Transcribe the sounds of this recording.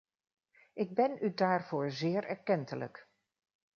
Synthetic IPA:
ʔɪɡ̚bɛnydaːɹv̥oːɹzɪːɹɛɹkɛntələ̰k

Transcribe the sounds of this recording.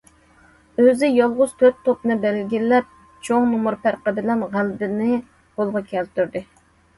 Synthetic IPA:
øzɪjɑlˠʁʊz̥t̪ʰøt̪ʰːopnɨbɛlɡʲilːɛp̚ | t͡ʃʰoŋnumuɾpæɾqəbɪlɛnʁælbɪnɪ | b̥olˠʁɑkʲʰɛlt̪yɾd̪ɨ

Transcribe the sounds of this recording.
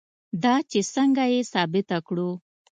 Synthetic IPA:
d̪ɑt͡ʃesəŋɡajesɑbɪt̪akɽu

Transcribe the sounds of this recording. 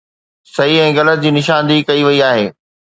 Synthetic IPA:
sɐiɛ̃ːɣɐlət̪̚d͡ʑiːnɪʃãːnd̪ikɐiʋɐiaːɦeː

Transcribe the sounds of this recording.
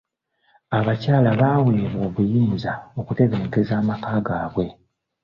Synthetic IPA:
aβacaːlaβaːweːɾoːβujimuzao̞kute̞ɡeneɡezaːmakaːɡaːβwe̞

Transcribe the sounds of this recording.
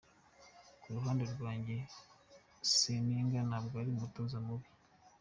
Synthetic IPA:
kuɾuɦaːndeɾɡwaːɲɟe̞ | siniŋɡanabɡaːɾimumutozamuβi

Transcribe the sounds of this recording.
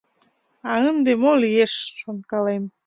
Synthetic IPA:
ɑənd̪emolijeʃːonkɑlem

